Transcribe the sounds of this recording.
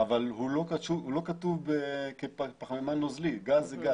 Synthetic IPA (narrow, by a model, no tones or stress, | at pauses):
avalhulo̞katuhulo̞kat̪uvbekeppaχamemanːozliɡazeɡa